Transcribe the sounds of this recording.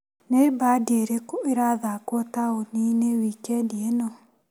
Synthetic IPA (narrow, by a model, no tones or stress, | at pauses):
nebadieɾekeɾaðakwɔtaoninewikɛdiɛnɔ